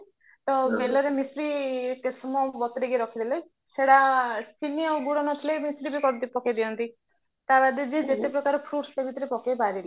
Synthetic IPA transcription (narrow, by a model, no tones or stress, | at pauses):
t̪ɔbelɔɾemisɾik̪esɔmɔbɔt̪ɾiɡeɾɔkʰid̪ʰile | seɽasinijɔɡuɽɔnɔt̪ʰilemisɾibikɔɾd̪ipɔked̪iɔnt̪i | t̪abad̪ed͡ʒid͡ʒet̪epɾɔkaɾɔpʰɾuʈst̪ebʱit̪ɔɾipɔkebaɾile